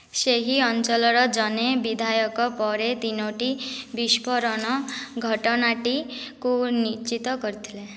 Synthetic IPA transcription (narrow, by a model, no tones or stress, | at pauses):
seɦiɔnt͡ʃɔlɔɾɔd͡ʒɔnebid̪ʱajɔkɔpɔɾet̪inoʈibispʰɔɾɔnɔɡʱɔʈɔnaʈikunit͡ʃit̪ɔkɔɾit̪ʰile